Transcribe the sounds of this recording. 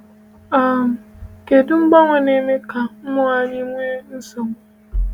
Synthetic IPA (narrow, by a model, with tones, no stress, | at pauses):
a˨ke˨dʊ˦ŋ͡m̩˦ɡ͡ba˦ŋʷe˨ne˨me˦ka˨m̩˦mʊ˦a˦ɲi˦ŋʷe˦n̩˦so˨ŋ˨